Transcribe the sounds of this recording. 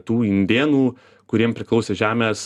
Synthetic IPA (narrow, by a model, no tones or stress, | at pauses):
t̪uːɪnʲd̪ʲeːnuː | kʊɾʲiɛmpʲɾʲɪklˠɐʊsʲeːʒʲæːmʲeːs